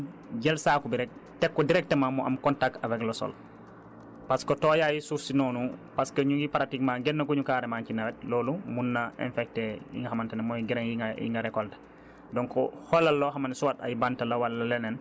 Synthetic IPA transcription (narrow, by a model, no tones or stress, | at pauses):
ɟɛlsaːkubiɾɛk̚tɛkːɔdiɾɛk̚temamuʔɐ̰mkɔntak̚tɐvɛklɔsɔ̰l | paskotoːjaːjisufsinɔːnupaskɐɲuɡipaɾatikmaɡɛnːɐkuɲukaːɾɛmancinawɛt̚loːlumunːɐɛ̰nfɛk̚tɛjḭŋɡɐhamantɐnɛmɔɡiɾeŋjiŋajḭŋɡɐɾɛkɔltɐ̥ | dɔŋkɔ̰hɔlɐlːɔɦamansuwata̰jbantɐlɐwalːɐlɛnɛn